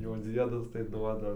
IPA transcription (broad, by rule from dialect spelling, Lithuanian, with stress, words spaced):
jɛʊ ˈd͡zʲiɛdɐs tɐɪ ˈduɔdɐ